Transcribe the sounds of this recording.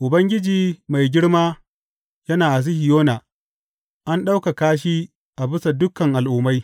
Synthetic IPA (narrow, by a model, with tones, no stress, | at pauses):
ʔʊ˨bɐ˦ŋɡʲɪ˦d͡ʒiː˨ma˨jɡʲɪ˦ɽmaː˦ | jɐ˦naː˨ʔa˨s̬ɪ˦hɪ˨joː˦naː˨ | ʔa˦nɗa˦wka˨kaː˦ʃ̬iː˦ | ʔa˨bɪ˦sa˨dʊ˦kːɐ˨ŋʔa˨lʔʊ˨ma˦j